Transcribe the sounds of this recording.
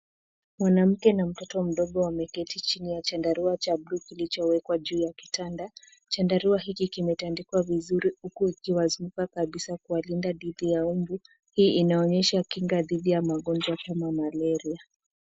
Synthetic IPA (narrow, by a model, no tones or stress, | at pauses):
mwanam̩kɛnam̩tɔtɔm̩ɗɔɠɔwamɛkɛtit͡ʃinijat͡ʃandaɾuat͡ʃablukilit͡ʃɔwɛkwaʄuːjaki̥tanda | t͡ʃandaɾuaɦikikimɛtandikwavizuɾihukuikiwazumukakaɓisakualindaɗiðijaumbu | hiːʔinaɔɲɛʃakiŋɡaðiɗijamaɠɔnd͡ʒwakamamalɛɾia